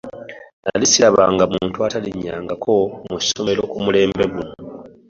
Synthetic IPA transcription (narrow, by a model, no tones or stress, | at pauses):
na̰lisilaβa̰ŋɡamuːntuataliɲːaːŋɡakʰo̞musomeɾo̞kumule̞ːmbeɡuno